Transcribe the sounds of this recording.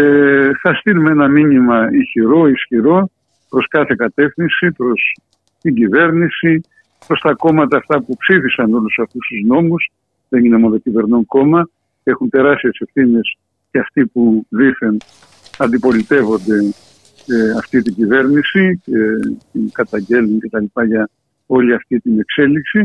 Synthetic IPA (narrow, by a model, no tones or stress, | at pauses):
eθɐst̪iɾumenɐminimɐiçiɾo̞isçiɾo̞ | pɾo̞skɐθe̞kɐt̪e̞fθinsipɾo̞s | t̪iɲɟive̞ɾnisi | pɾo̞st̪ɐko̞mɐt̪ɐːft̪ɐpupsiθisɐno̞lusɐft̪ust̪uzno̞mus | ðe̞nine̞moðocive̞ɾnoŋko̞mɐ | e̞xunt̪e̞ɾɐst̪iese̞fθine̞s | ceɐft̪ipuðiθen | ɐnd̪ipo̞lit̪e̞vo̞nd̪e̞ | eɐft̪it̪iɲɟive̞ɾnisicet̪iŋkɐt̪ɐɲɟe̞luŋce̞t̪ɐlipɐʝɐ | o̞liɐft̪it̪ine̞kse̞liksi